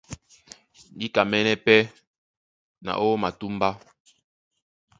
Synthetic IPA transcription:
n˦di˦ka˨mɛ˦nɛ˦pɛ˦ | na̰˨ʔo˦ma˨tu˦mba˦

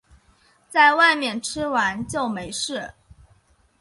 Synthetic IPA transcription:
t͡sa˥˧ɪwa˥˧ɪmjɛ˥˩nʈ͡ʂʰɻ̩˥wa˧˥nt͡ɕjo˥˩ʊme˧˥ɪʂɻ̩˥˩

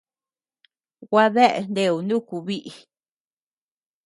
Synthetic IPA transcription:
ɡʷa˧ðe˦ʔḛ˨˧nd̪e˧u˧ndũ˦˨ku˧βi˦ʔi˨

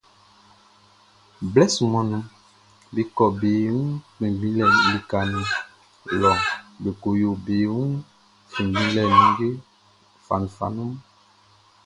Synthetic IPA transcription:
blɛ˦su˨mɔ̃˨nũ˦ | be˨kɔ˨be˨wũ˦k͡pẽ˨vĩ˦lɛ˨li˨ka˨nĩ˨ | lɔ˨be˨ko˨jo˨be˨wũ˦ | fĩ˨vĩ˦lɛ˨nũ˨˦ɡe˦ | fa˨nũ˨fa̰˨nũ˦m

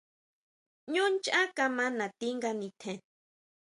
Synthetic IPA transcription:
ɲũ˦nt͡ʃa˦ka˧mã˦nã˨t̪i˦ŋɡa˧nĩ˧t̪ʰẽ˨

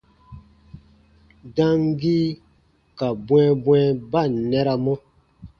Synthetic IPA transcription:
dã˦ŋɡi˦ | ka˨bw̃ɛ̃˦bw̃ɛ˦ba˦˨nɛ˦ɾa˨mɔ̃˦

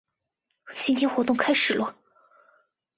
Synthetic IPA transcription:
t͡ɕi˥nt̪ʰjɛ˥nxwɔ˧˥t̪ʊ˥˧ŋkʰa˥ɪʂɻ̩˨˩lwə˥˩

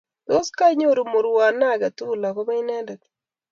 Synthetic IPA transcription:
do˦ska˦ɲo˦˨ɾu˨mo˨ɾwa˨na˦˨ɡa˨tu˦la˨ko˦ba˦i˦nɛ˦nda˨ki̥

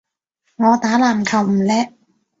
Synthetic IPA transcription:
ŋɔː˨˧t̪aː˨˥laː˨˩mkʰɐ˨˩wm̩ː˨˩lɛː˥

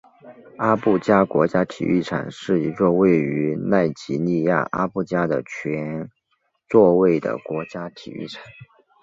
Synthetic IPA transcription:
a˥pu˥˩t͡ɕja˥kwɔ˧˥t͡ɕja˥t̪ʰḭ˨˩y̰˥˩ʈ͡ʂʰa̰˨˩nʂɻ̩˥˩i˧˥t͡sɔ˥˧we˥˩ɪy˧˥na˥˩ɪt͡ɕi˧˥ni˥˧ja̰˥˩ʔa̰˥pu˥˩t͡ɕja˥d̪ə˨t͡ɕʰɥɛ˧˥n | t͡swɔ˥˧we˥˩ɪd̪ə̰˩kwɔ˧˥t͡ɕja˥t̪ʰḭ˨˩y̰˥˩ʈ͡ʂʰḁ˨˩˦

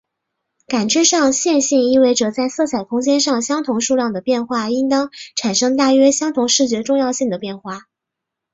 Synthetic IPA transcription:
ka˨˩nʈ͡ʂɻ̩˥ʂɑ˥˧ŋɕjɛ˥˧nɕi˥˧ŋi˥˧we˥˩ɪʈ͡ʂɤ˨˩t͡sa˥˧ɪsɤ˥˩t͡sʰa˨˩ɪkʰʊ˥ŋt͡ɕjɛ˥nʂɑ˥˩ŋɕjɑ˥ŋt̪ʰʊ˧˥ŋʂu˥˧ljɑ˥˩ŋd̪ə˩pjɛ˥˧nxwa˥˩i˥ŋt̪ɑ˥ŋʈ͡ʂʰa˨˩nʂɤ˥ŋt̪a˥˩ɥɛ˥ɕjɑ˥ŋt̪ʰʊ˧˥ŋʂɻ̩˥˩t͡ɕɥɛ˧˥ʈ͡ʂʊ˥˧ŋjɑ˥˧ʊɕi˥˩ŋd̪ə˩pjɛ˥˧nxwa˥˩

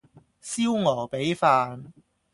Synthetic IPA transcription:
siː˥wŋɔː˨˩wpe˨˥jfaː˧n

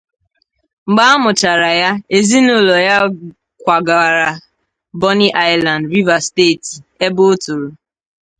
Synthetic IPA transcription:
ŋ͡m̩˨ɡ͡ba˦a˦mʊ˨t͡ʃa˨ɾa˨ja˦e˨zi˦nʊ˦lɔ˨ja˦ | kʷa˨ɡa˨ɾa˨ | bɔ˦ni˦ʔa˦ɪ˨la˨n˨dɾi˦va˨steː˦˨ti˨e˦bo˦o˦tʊ˨ɾo˨

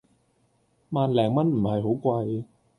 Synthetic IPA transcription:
maː˨nlɛː˨˩ŋmɐ˥nm̩˨˩hɐ˨jɦo˨˥wkʷɐ˧j

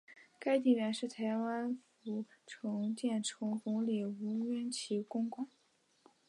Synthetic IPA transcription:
ka˥ɪt̪̬i˥˩ɥɛ˧˥nʂɻ̩˥˩t̪ʰa˧˥ɪwa˥nfu˧˩ʈ͡ʂʰɤ˧˥ŋt͡ɕjɛ˥˩nʈ͡ʂʰɤ˧˥ŋfʊ˧˥ŋli˨˩u˧˥ɥɛ˥nt͡ɕʰi˧˥kʊ˥ŋkwɑ˥˩ŋ

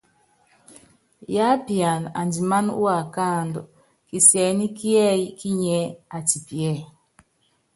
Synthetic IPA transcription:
ja˦pi˨a˨na̰˨ndi˨ma˦nṵ˦a˨ka˦˨ndɔ̰˨ | ki˨sjɛ˨ni˦ki˦ɛ˦i˦ki˦ɲɛ˦a˨ti˨pi˨ɛ˦˨

